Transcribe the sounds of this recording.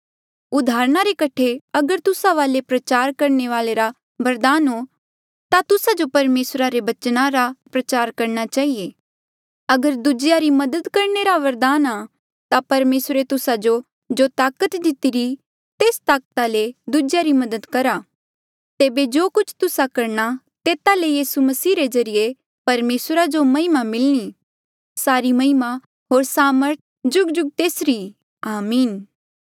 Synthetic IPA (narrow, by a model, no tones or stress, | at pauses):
ʊd̪ʱaːɾñaɾekɐʈʰeɐɡəɾt̪ʊsaʋaːlepɾɐt͡ʃaːɾkɐɾɳeʋaːleɾa | ʋɐɾd̪aːnɦo | t̪at̪ʊsad͡ʒopɐɾmeːsɾaɾebɐt͡ʃnãɾapɾɐt͡ʃaːɾkɐɾñat͡ʃaːɦieː | ɐɡəɾd̪ʊd͡ʒjaɾimɐd̪əd̪kɐɾneɾaʋɐɾd̪aːna | t̪apɐɾmeːsɾet̪ʊsad͡ʒo | d͡ʒot̪aːkət̪d̪ɪt̪iɾi | t̪eːst̪aːkt̪aled̪ʊd͡ʒjaɾimɐd̪əd̪kɐɾa | t̪eːbed͡ʒoːkʊt͡ʃʰt̪ʊsakɐɾɽ̃a | t̪eːt̪alejiːsumɐsiːɾezɐɾije | pɐɾmeːsɾad͡ʒomɐɦɪmamɪlñi | saːɾimɐɦɪma | ɦoːɾsaːməɾt̪̚ʰd͡ʒʊɡd͡ʒʊɡ̚t̪eːsɾi | aːmiːn